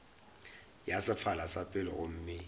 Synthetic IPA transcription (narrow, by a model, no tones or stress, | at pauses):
jasɪfalasapʼɪlɔ̰ʔom̩ːmɪ